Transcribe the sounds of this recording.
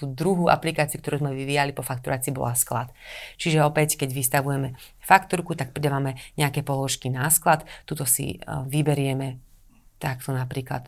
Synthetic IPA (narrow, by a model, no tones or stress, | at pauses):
t̪uːd̪ɾuɦuʔa̰plikaːt͡siukt̪ɔɾuːzmɛʋiʋiːjalipɔfak̚t̪uɾʔaːt͡siːbɔ̰laskla̰t̪t͡ʃiʒɛɔpɛckɛɟʋist̪aʋujɛmɛ | fakt̪uɾkut̪ak̚pɾid̪aʋamɛɲɛakɛːpɔlɔʃkinasklat̪t̪ːut̪ɔsḭʋibɛɾɪɛmɛ | t̪akt̪ɔnapɾiːkla̰t̪